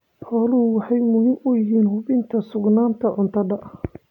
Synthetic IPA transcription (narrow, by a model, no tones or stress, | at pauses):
ħɔːlɐhʊwɑħɑjmʊhɪmʊjɪɦiːnhʊβɪnt̪ʰɐsʊɡnaːnt̪ʰɐʕʊnt̪ʰɐdɐʔ